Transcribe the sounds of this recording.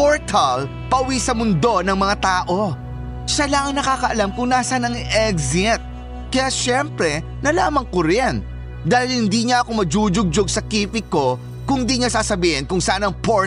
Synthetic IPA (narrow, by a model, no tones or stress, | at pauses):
poɹt̪ʰɐl | pɐʔʊwisɐmʊnd̪o̞nɐŋmɐŋat̪aːʔo̞ | ʃalɐŋɐŋnɐkaːkɐʔɐlamkʊŋnaːsɐnɐŋʔɛɡzɪt̪̚ | kɐjaʃɛmpɾɛ | nɐlaːmɐŋkoɾɛn | d̪aːhɪlhɪnd̪iɲɐʔɐko̞mɐd͡ʒuːd͡ʒʊɡ̚d͡ʒʊɡ̚sɐkiːpɪko̞ | kʊŋd̪iɲasaːsɐbiːhɪnkʊŋsɐʔanɐŋpoɹ